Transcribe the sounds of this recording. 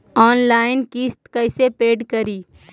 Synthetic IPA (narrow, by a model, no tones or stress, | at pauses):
ɔːnlaːɪnkiːst̪kəɪsepeːɖkəɾiː